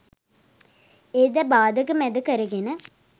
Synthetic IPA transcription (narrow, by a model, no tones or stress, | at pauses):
ed̪ɐbaːd̪ɐkɯmɛd̪ɐkɐɾɐɡenə